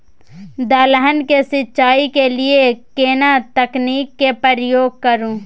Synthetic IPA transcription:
d̪aːləɦənkesɪtːʃaːikelɪekeːnat̪əkniːkːepɾəɾjoːɡ̚kəɾũː

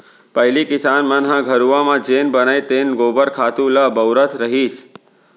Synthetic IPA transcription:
pəɦilikɪsanmə̃nɦãɡʱəɾuʋãmãd͡ʒenbənajt̪enɡobəɾkʰaːt̪ũləbəwɾət̪ʰɾəɦis

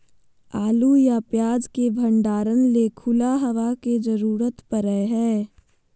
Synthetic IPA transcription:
aːlujapjaːd͡ʒkebʱə̃ɳɖaːɾənlekʰʊlaɦɐʋaked͡ʒəɾuːɾət̪pəɾəeɦɛː

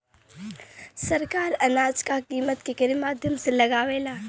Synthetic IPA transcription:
sɐɾkaːɾɐnaːd͡ʒkakiːmət̪kekɐɾimaːd̪ʱjəmselɐɡaːʋeːlaː

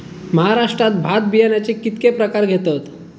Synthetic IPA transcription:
məɦaɾaʂʈɾat̪̚bʱat̪̚bijanjat͡ɕekit̪kepɾəkaɾɡʱet̪ət̪

